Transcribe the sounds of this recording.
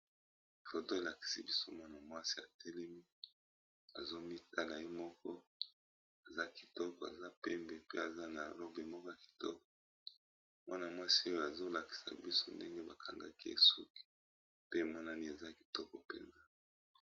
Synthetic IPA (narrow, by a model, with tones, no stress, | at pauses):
fo˨to˦e˨la˨ki̥˨si˦bi˦so˦ma˦na˨mwa˦si˦a˨tʰɛ˦lɛ˦mi˦ | a˨zo˦mi˦ta˦la˨je˦mɔ˦kɔ˦ | a˨za˦ki̥˨tɔ˦kɔ˨a̰˨za˦pɛ˦mbɛ˨pḛ˦a˨za˦na˨lo˦be˨mɔ˦kɔ˦ja˨ki̥˨tɔ˦kɔ̥˨ | mwa˦na˨mwa˦si˦o˦jo˦a˨zo˦la˨ki̥˨sa̰˨bi˦so̰˦nde˦ŋɡe˦ba˨kʰa˨ŋɡa̰˦ki˦ḛ˨su˦ki̥˨ | pe˦˨mɔ˦na˦ni˦e˨za˦ki̥˨tɔ˦kɔ˨pḛ˨nza˦